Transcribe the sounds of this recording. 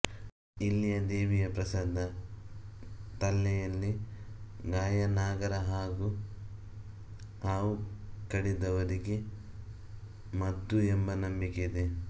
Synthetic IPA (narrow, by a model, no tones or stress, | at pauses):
ilːijɐd̪eːʋijɐpɾɐsɐd̪ːɐ | t̪ɐlːɛjɐlːi | ɡaːjɐnaːɡɐɾɐɦaːɡu | haːwukɐɽid̪ɐʋɐɾiɡe̞ | mɐd̪ːuembɐnɐmbiked̪e